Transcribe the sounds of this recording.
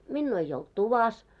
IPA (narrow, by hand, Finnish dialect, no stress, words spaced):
minːuː ei olt tuʋɑs